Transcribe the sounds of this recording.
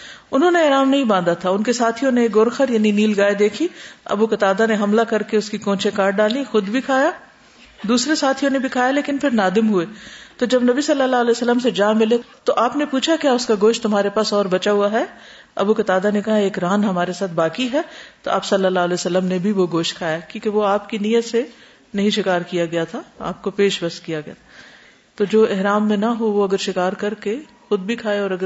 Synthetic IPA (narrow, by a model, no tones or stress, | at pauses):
ʊnɦõːneɛːɾaːmnɐɦĩbãːnd̪at̪ʰaʊnkesaːt̪ʰijoʊneːkɡʊɾxəɾjaːniniːlɡaːed̪eːkʰiɐ̰bukɐt̪aːd̪aneɦɐmlakɐɾkeʊskikõːt͡ʃekaːɾɖɖaːlixʊd̪bʱikʰaːja | d̪uːsɾesaːt̪ʰiʊnebʱikʰaːjaleːkɪnfʰɪɾnaːd̪ɪmɦʊeːt̪od͡ʒɐbnɐbisɐlːəlːaːɦlɛːsəlːəmsed͡ʒãːmːɪlet̪oʔaːpnepuːt͡ʃʰakjaːʊskaɡoːʃt̪ʊmɦaːɾepaːsɔːɾbɐt͡ʃaɦuaɦɛ | ɐ̰bukɐt̪aːd̪anekɐɦaeːkɾaːnɦɐmaːɾesaːt̪ʰbaːkiɦɛːt̪oʔa̰ːpsɐlːəlːaːɦlɛːsəlːəmnebʱiʋoɡoːʃ̚kʰaːjakjũːkeʋoaːpkinijət̪se | nɐɦĩʃɪkaːɾkijaɡɐjat̪ʰaa̰ːp̚kopeːʃbɐst̪kijaɡɐja̰ | t̪od͡ʒoːɪɦɾaːmːẽnɐɦoʋoɐɡəɾʃɪkaːɾkɐɾke | xʊd̪̚bʱikʰaːeɔːɾɐɡə